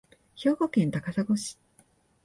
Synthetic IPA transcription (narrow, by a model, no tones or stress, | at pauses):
ço̞ːɡo̞kẽ̞nt̪akasaɡo̞ɕi̥